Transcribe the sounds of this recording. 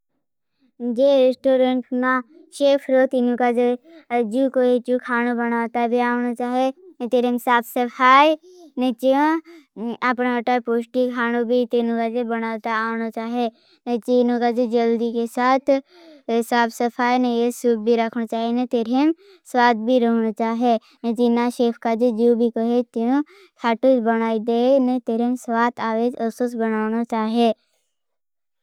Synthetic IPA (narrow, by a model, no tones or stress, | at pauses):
d͡ʒeɾesʈoːɾẽɳʈna | ʃeːpʰɾot̪inũkad͡ʒed͡ʒukoet͡ʃukʰaːnobɐnaːt̪abʱiaːonat͡ʃaːɦet̪eɾemsaːpʰsɐpʰaːjnɐt͡ʃĩ | ɐpnaəʈapoːsʈikʰaːnobʱit̪inũkad͡ʒebɐñaːt̪aːnat͡ʃaːɦe | net͡ʃinõkad͡ʒed͡ʒɐld̪ikesaːt̪ʰ | saːbsəpʰaːjnejesʊb̚bʱiɾɐkʰnat͡ʃaːɦenet̪eːɾem | swaːt̪̚bʱiɾəɦnat͡ʃaːɦe | ned͡ʒɪnaʃeːpʰkad͡ʒəd͡ʒuːbʱikəɦet̪inõ | k̪ʰaːʈʊsbəñaːid̪enet̪eːɾemsʋaːt̪ʰaːʋed͡ʒəsusbənaːʊnat͡ʃaːɦe